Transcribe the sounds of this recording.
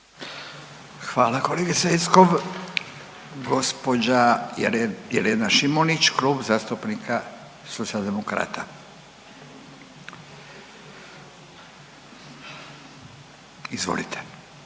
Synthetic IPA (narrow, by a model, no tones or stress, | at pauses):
xʋaːlako̞leɡeseskoʋ | ɡospo̞d͡ʑa | jḛɾenaʃimonit͡ɕkluːbzaːst̪upnika | sot̪siald̪emokɾa̰ːt̪a | izʋo̰lit̪ʰe̥